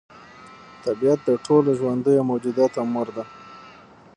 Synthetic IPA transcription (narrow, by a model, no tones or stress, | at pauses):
t̪abijat̪̚d̪əʈʰoloʒwand̪əjomowd͡ʒud̪at̪amʊɾd̪a